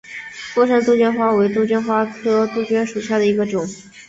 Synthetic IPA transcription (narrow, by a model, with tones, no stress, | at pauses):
kwɔ˥˧ʂə˥nt̪u˥˧t͡ɕɥɛ˥nxwa˥we˧˥ɪt̪u˥˧t͡ɕɥɛ˥nxwa˥tɤ˥t̪u˥˧t͡ɕɥɛ˥nʂu˨˩ɕja˥˩d̪ə˩i˧˥ɡə˧ʈ͡ʂʊ˨˩˦ŋ